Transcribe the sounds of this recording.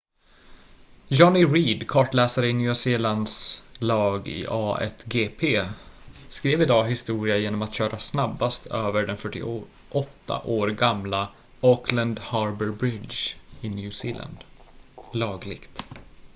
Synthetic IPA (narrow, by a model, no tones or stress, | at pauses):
jɔnɪɾiːd̪kʰɑːʈlɛːsaɾəɪnjʉːsiːland̪slɑːɡɪ̰ʔɑːɛ̰t̪ɡeːpʰeː | skɾeːvɪd̪ɑːɦɪst̪uːɾɪajeːnɔmat̪ɕœːɾʔasnabːast̪ʰøːvəɖɛnfœʈːɪ̰ | ʔɔt̪ːa̰ʔoːɾɡamla | ɔkʰland̪hɑɾbəɾbɾɪd̪d͡ʒɪnjʉ̟ːsiːla̰nd̪ | lɑːɡlɪ̰ɡ̥t̪